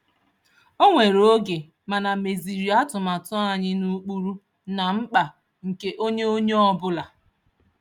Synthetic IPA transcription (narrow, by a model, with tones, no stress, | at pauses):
o˦ŋʷe˨ɾo˦ɡe˨ | ma˨na˨me˨zi˨ɾi˨a˦tʊ˨ma˨tɔ˦a˨ɲɪ˦nu˦k͡pu˦ɾu˦ | na˨ŋ͡m̩˦k͡pa˨ | ŋ̩˨ke˦ʔo˦ɲe˦o˦ɲe˦ɔ˦bʊ˦la˨